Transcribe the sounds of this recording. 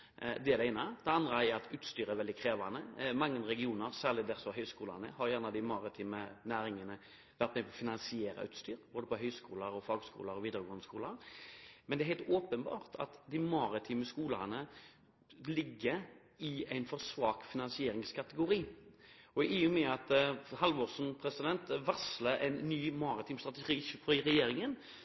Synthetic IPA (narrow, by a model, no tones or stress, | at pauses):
d̪ɛæɾd̪ɛæɪnəd̪̥ɛɑnd̪ɾəɛɾɑt̪ʉːt̪st̪yːɾəæɾʋɛld̪ɪkʰɾeːʋɑnəmɑŋːənɾɛɡɪuːnəɾsæːʁɭɪd̪æɾsɔɦœʏskuːlɑ̰nə̰hɑɾjæːʁnəd̪ɪmɑɾɪt̪ʰiːmənæːɾɪŋənə | ʋæɾt̪mɛpʰɔfɪnɑnsɪeːɾə̰ʉːt̪st̪yːɾboːd̪əpɔɦœʏskṵːləɾɔfɑːɡskṵːləɾɔʋiːd̪əɾəɡʊnskuːləɾmɛnd̪ɛæɦɛɪlt̪ʰoːpənbɑ̰ːʁt̪ʰɑ̰t̪d̪ɪmɑɾɪt̪ʰiːməskuːlənə | lɪɡːəɾ | ɪæɪnfɔɾsʋɑːkfɪnɑnsɪeːɾɪŋskʰɑt̪əɡʊɾiː | ɔɪʊmɛɑt̪hɑlʋoːʁsn̩pʰɾɛsɪd̪ɛnt̪ʋɑsləæ̰ɪnːyːmɑʁɪt̪ʰiːmst̪ʁɑt̪əʃiːfɪɾɛjeːɾɪŋən